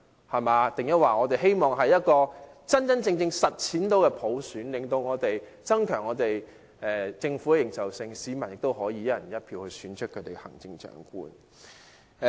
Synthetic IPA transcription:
hɐ˨maː˨˧t̪ɪ˨ŋjɐ˥t̚waː˨˩ŋɔː˨˧t̪e˨jɦe˥jmɔː˨˩ŋɦɐ˨jɐ˥t̚kɔː˧t͡sɐ˥nt͡sɐ˥nt͡sɪ˧ŋt͡sɪ˧ŋsɐ˨t̚t͡sʰiː˨˥nt̪o˨˥wkɛː˧pʰo˨˥wsyː˨˥nlɪ˨ŋt̪o˧wŋɔː˨˧t̪e˨j | t͡sɐ˥nkʰœː˨˩ŋɔː˨˧t̪e˨j | ʔɛː˨t͡sɪ˧ŋfuː˨˥kɛ˧jɪ˨˩ŋsɐ˨wsɪ˧ŋsiː˨˧mɐ˨˩njɪ˨k̚t̪o˥whɔː˨˥jiː˧jɐ˥jɐ˨˩njɐ˥t̚pʰiː˧whɵ˧ɥsyː˨˥nt͡ʃʰɵ˥kʰːɵ˨˧˥t̪e˨˩hɐ̰˨˩ŋt͡sɪ˧ŋt͡ʃœ̰ː˨˥ŋkṵː˥n

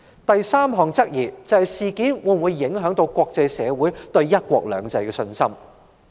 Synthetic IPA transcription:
t̪ɐ˨jsaː˥mɦɔː˨˩ŋt͡sɐ˥k̚jiː˨˩t͡sɐ˨˧hɐ˨jsiː˨kiː˨˥nwuː˨˥˨wuː˨˧˥jːɪ˨˥ŋɦœː˨˥ŋt̪o˧wkʷɔː˧k̚t͡sɐ˨˧jsɛ̰ː˨˧wuː˨˥jt̪ɵ˧ɥjɐ˥t̚kʷɔ̰ː˧k̚lœ̰ː˨˧ŋt͡sɐ˧jkɛ˧sɵ˧nsɐ˥m

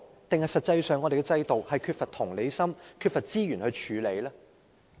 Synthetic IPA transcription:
t̪ɪ˨ŋhɐ˨jsɐ˨t̚t͡sɐ˧jsœː˨˧ŋɔ˨˧ɾe˨˩kɛː˧t͡sɐ˧jt̪o˨whɐ˨jkʰyː˧t̚fɐ˨t̪̚ʰʊ˨˩ŋle˨˧jsɐ˥mkʰyː˧t̚fɐ˨t̚t͡siː˥jyː˨˩nhɵ˧ɥt͡ʃʰyː˨˧le˨˧jlaː˥

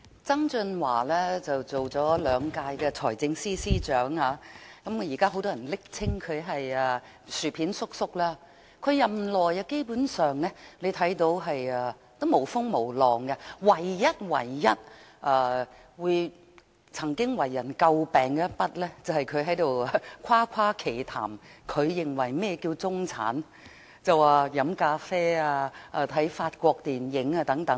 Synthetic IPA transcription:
t͡sɐ˥ŋt͡sɵ˧nwaː˨˩lɛː˥t͡sɐ˨wt͡so˨wt͡sɔː˨˥lœː˨˧ŋkaː˧jkɛː˧t͡sʰɔ̰ː˨˩jt͡sɪ˧ŋsiː˥siː˥t͡ʃœː˨˥ŋhaː˨˧kɐ˨˥m˨˧jiː˨˩kaː˥ɦo˨˥wt̪ɔː˥ɐ˨˩nlɪ˥k̚t͡sʰɪ˥ŋkʰɵ˨˧ɦɐ˨jɐː˨˧ | syː˨˩pʰiː˨˥nsʊ˥k̚sʊ˥k̚laː˥ | kʰɵ˨˧ɥjɐ˨mlɔː˨˩jɐ˧ke˥jpuː˨˥nsœː˨ŋnɛ˥le˨˧jt̪ʰɐ˨˥jt̪o˧wɦɐ˨jɐː˨˧ | t̪o˥wmo˨˩wfʊ˥ŋmo˨˩wlɔː˨˩ŋɡɛ˧wɐ˨˩jːɐ˥t̚wɐ̰˨˩jːɐ˥t̚ʔɐː˧˩ | wuː˨˧j | t͡sʰɐ˨˩ŋkɪ˥ŋwɐ˨˩jːɐ˨˩nkɐ˧wpɛː˨ŋkɛ˦˥pɐ˥t̚lɛː˥t͡sɐ˨whɐ˨jkʰɵ˨˧ɥɦɐ˨˥jt̪o˨wa˧kʷʰaː˥kʷʰaː˥kʰe˨˩jt̪ʰa̰ː˨˩mkʰɵ˨˧ɥjɪ˨˩ŋwɐ˨˩jmɛː˥˧kiː˧wt͡sʊ˥ŋt͡sʰa̰ː˨˥n | t͡sɐ˨waː˨˩jɐ˨˥mkaː˧fɛː˥aː˧ʔaː˧t̪ʰɐ˨˥jfaː˧t̚kʷɔː˧k̚t̪iː˨˩njɪ˨˥ŋaː˧t̪ɐ˨˥ŋt̪ɐ˨˥ŋ

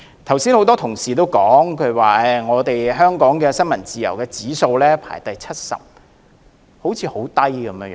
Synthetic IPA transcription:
t̪ʰɐ˨˩wsiː˥nho˨˥wt̪ɔː˥t̪ʰʊ˨˩ŋsiː˨˩t̪̬o˥wkɔː˨˥ŋkʰɵ˨˧ɥwaː˨ɛ˨˩ŋɔː˨˧t̪e˨jɦœː˥ŋkɔː˨˥ŋkɛː˧sɐ˥nmɐ˨˩nt͡siː˨jɐ̰˨˩wkɛː˧t͡siː˨˥so˧wlɛː˥pʰa̰ː˨˩jt̪ɐ˨jt͡sʰɐ˥t̚sɐ̰˨p̚ | ho˨˥wt͡sʰiː˨˧ho˨˥wt̪ɐ˥jkɐ˨˧mjːj

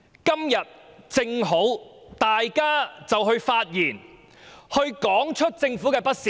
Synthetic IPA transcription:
kɐ˥mjɐ˨t̚t͡sɪ˧ŋɦo˨˥wt̪aː˨jkaː˥t͡sɐ˨wɦɵ˧ɥfaː˧t̚jiː˨˩n | hɵ˧ɥkɔː˨˥ŋt͡ʃʰɵ˥t̚t͡sɪ˧ŋfu˨˥kɛː˧pɐ˥t̚si˨

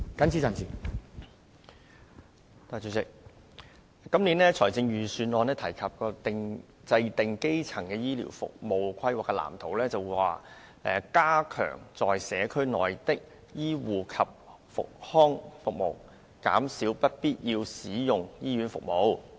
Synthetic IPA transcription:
kɐ˥nt͡sʰi˥t͡sa˨nsiː˨˩ | t̪aː˨˩t͡ɕɵ˨˧sɪ˨k̚ | kɐ˥mliː˨˥nlɛː˥t͡sʰɔː˨˩jt͡sɪ˧ŋjyː˨syː˨˧nlɔː˨˧nɛː˥t̪ʰɐ˨˩jkʰɐ˨p̚kɔː˧t̪ɪ˧ŋ | t͡sɐ˧jt̪ɪ˨ŋke˥jt͡sʰɐ˨˩ŋkɛː˧jiː˥lḭ˨˩wfʊ̰˨k̚mo˨˩wkʷʰɐ˥jwaː˨kːɛ˧la̰ː˨˩mt̪ʰo˨˩wlɛː˥t͡sɐ˨wu˧wwaː˨ | ɛː˨kaː˥kʰœ̰ː˨˩ŋt͡sɔː˨jsɛː˨˧˥kʰɵ˥ɥnɔ̰ː˨˩jt̪ɪ˥k̚ | jiː˥wuː˨kʰɐ˨p̚ | fʊ̰˨k̚hɔː˥ŋfʊ˨k̚mo̰˨˩w | ka̰ː˨˥msiː˨˥wpɐ˥t̚piː˥t̚jiː˧wsiː˨˥jʊ˨ŋjiː˥jyː˨˥nfʊ̰˨k̚mo˨˧w

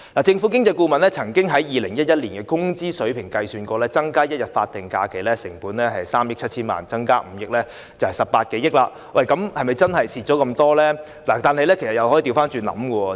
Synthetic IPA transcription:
laː˨˩t͡sɪ˧ŋfuː˨˥k̬ɪ˥ŋt͡sɐ˧jkuː˧mɐ˨nlɛː˥t͡sʰɐ˨˩ŋkɪ˥ŋɦɐ˨˥jjiː˨˧lɪ˨˩ŋjɐ˥t̚jɐ˥t̚liː˨˩nkɛː˧kʊ˥ŋt͡siː˥sɵ˨˥pʰɪ˨˩ŋkɐ˧jsyː˧nkɔː˧lɛː˦˥t͡sɐ˥ŋkaː˥jɐ˥t̚jɐ˨t̚faː˧t̚t̪ɪ˨˩ŋka̰ː˧kʰe˨˩jlɛː˥sɪ˨˩ŋpuː˨˥nlɛː˥ɦɐ˨jsaː˥mjɪ˥k̚ʰɐ˥t̚t͡ɕʰiː˥nma̰ː˨˩nt͡sɐ˥ŋkaː˥m̩˨˧˦jɪ˥k̚lɛː˥ | t͡sɐ˨whɐ˨jsɐ˨p̚paː˧t̚ke˨˥jɪ˥k̚laː˧ | wɐ˨˩jkɐ˨˥mhɐ˨jmɐ˨jt͡sɐ˥nhɐ˨jsiː˨t̚t͡ʃɔː˨˥kɐ˧mt̪ɔː˥lɛː˥ | laː˨˩t̪aː˨nhɐ˨jlɛː˥kʰe˨˩sɐ˨tjɐ˨whɔ˨˥ji˨˧t̪i˧wfaː˥nt͡ʃyː˨nɐ̰˨˥mkɔː˧

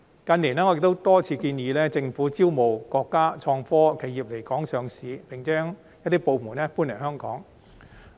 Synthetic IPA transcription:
kɐ˧nli˨˩nɛː˥ɔ˨˧ɪ˨k̚t̪o˥wt̪ɔː˥t͡sʰiː˧kiː˧njiː˨˧lɛː˥t͡sɪ˧ŋfuː˨˥t͡siː˥wmo˨wkɔː˧kːaː˥t͡ʃʰɔː˧ŋfɔː˥kʰe˨˧jiː˨˩p̚le˨˩jkɔː˨˥ŋsœː˨˧ŋsiː˨˧˥pɪ˨ŋt͡sœː˥ŋ | jɐ˥t̚t̪iː˥po˨˧wmuː˨˩nɛ˥puː˥nɛ˨˩hœː˥ŋkɔ̰ː˨˥ŋ

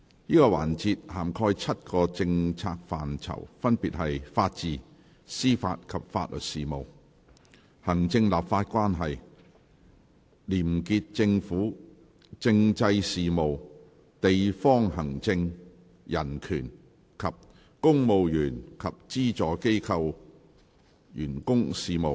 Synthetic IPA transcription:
jiː˥kɔː˧wa̰ː˨˩nt͡siː˧t̚haː˨˩mkʰɔː˥jt͡sʰɐ˥t̚kɔː˧t͡sɪ˧ŋt͡sʰaː˧k̚faː˨nt͡sʰɐ̰˨˩wfɐ˥npiː˨t̚hɐ˨jfaː˧t̚t͡siː˨˩ | siː˥fa̰ː˧t̚kʰɐ˨p̚faː˧t̚lɵ̰˨t̚siː˨˩mo˨w | hɐ˨˩ŋt͡sɪ˧ŋlaː˨p̚faː˧t̚kʷwaː˥nɦɐ˨j | liː˨˩mki˧t̚t͡sɪ˧ŋfuː˨˥ | t͡sɪ˧ŋt͡sɐ˧jsiː˨mo˨w | t̪e˨jfɔː˥ŋɦɐ˨˩ŋt͡sɪ˧ŋ | jɐ˨˩nkʰyː˨˩n | kʰɐ˨p̚ | kʊ˥ŋmo˨wjyː˨˩nkʰɐ˨p̚t͡siː˥t͡sɔː˨˥ke˥jkʰɐ˧w | jyː˨˩nkʊ˥ŋsiː˨mo˨w

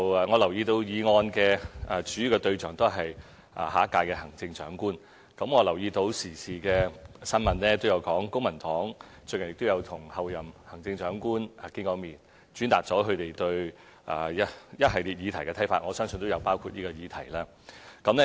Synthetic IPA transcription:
wːŋɔː˨˧lɐ˨˩wjiː˧t̪o˧wjiː˨˧ŋɔː˧nkɛː˧ʔɐː˨t͡ʃyː˨˥jyː˨˧kɔ˧t̪ɵ˧ɥt͡sœ̰ː˨˩ŋt̪o˥wɦɐ˨j | ʔa̰ː˨haː˨˥kːaː˧jkɛː˧hɐ˨˩ŋt͡sɪ˧ŋt͡ʃœ̰ː˨˥ŋkuː˥n | kɐ˨˥mŋɔː˨˧lɐ˨˩wjiː˧t̪o˧wsiː˨˩siː˨˩kɛː˧sɐ˥nmɐ˨nlɛː˥t̪o˥wjɐ˨˧wkɔː˨˥ŋkʊ˥ŋ̚mɐ˨˩nt̪ɔː˨˥ŋ | t͡ʃɵ˧kɐ˨˩njɪ˨k̚t̪o˥jɐ˨˧wt̪ʰʊ˨˩ŋhɐ˨˧wjɐ˨˩mhɐ˨˩ŋt͡sɪ˧ŋt͡ʃœː˨˥ŋkuː˥na˨kɪ˥kɔː˧miː˨˩n | t͡ʃyː˨˥nt̪aː˨k̚t͡sɔː˨˥ɦɵ˨˧ɥt̪e˨jt̪ɵ˧ɥ | ʔa̰ː˨˩jɐjɐ˥t̚ɦɐ˨jliː˨t̚jiː˨˧t̪ʰɐ˨˩kɛː˧tʰjfaː˧t̚ŋɔː˨˧sœː˥ŋsɵ˧nt̪o˥jɐ˨˧wpaː˥wkʰuː˧t̚niː˥kɔː˧jiː˨˧t̪ʰɐ˨˩jlaː˥ | kɐ˨˧˥mnɛ˥

